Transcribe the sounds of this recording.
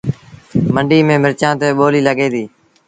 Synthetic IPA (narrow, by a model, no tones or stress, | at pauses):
məɳɖiːmẽːmɪɾt͡ʃãːt̪eːɓoːliːləɠeːd̪iː